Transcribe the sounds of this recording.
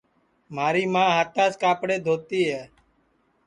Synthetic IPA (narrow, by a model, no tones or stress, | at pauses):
maːɾiːmãːɦaːt̪aːskaːpɽeːd̪ʱoːt̪iːɦɛː